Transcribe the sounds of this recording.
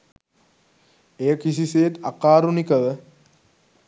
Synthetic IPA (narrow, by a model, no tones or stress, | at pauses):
ejəkisiseːt̪akaːɾunikəʋə